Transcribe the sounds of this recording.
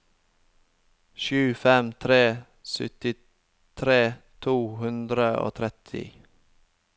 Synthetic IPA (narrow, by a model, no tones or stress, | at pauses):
ʃʉːfɛmt̪ʰɾeː | sʏ̰t̪ɪ | t̪ʰɾeːt̪ʰuːhʉnd̪ɾəo̰ːt̪ʰɾɛt̪ʰɪ̰